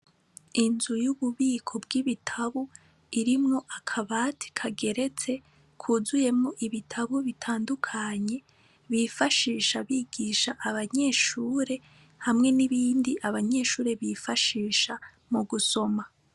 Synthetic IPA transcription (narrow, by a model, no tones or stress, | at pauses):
inzujuβuβiːkʰo̞bɡiβitʰaβu | iɾimŋo̞ʔakʰaβaːtʰi̥kʰaɡe̞ɾe̞t͡se̞ | kʰuːzuje̞mŋoʔiβitʰaβuβitʰaːndukʰaɲe̞ | βifaʃiːʃaβiːɡ̥iːʃaʔaβaɲe̞ːʃuːɾe̞ | hamŋe̞niβiːndiʔaβaɲe̞ːʃuːɾe̞βifaʃiːʃa | muɡuso̞ma